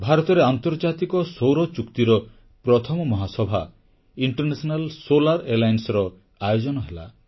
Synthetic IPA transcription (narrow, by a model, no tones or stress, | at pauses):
bʱaɾɔt̪ɔɾeant̪ɔɾd͡ʒat̪ikɔsowɾɔt͡ʃukt̪iɾɔ | pɾɔt̪ʰɔmɔmɔɦasɔbʱa | iɳʈɔɾnesɔnalsolaɾelajnsɔɾɔ | ajod͡ʒɔnɔɦela̰